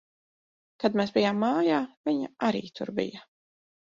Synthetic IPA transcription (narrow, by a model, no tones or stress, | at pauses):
kad̪meːsbijaːmːaːjaːviɲaaɾḭːt̪ʰṵɾbḭjɐ